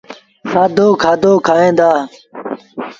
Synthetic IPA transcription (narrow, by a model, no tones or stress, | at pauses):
saːd̪oːkʰaːd̪oːkʰaːẽːd̪aː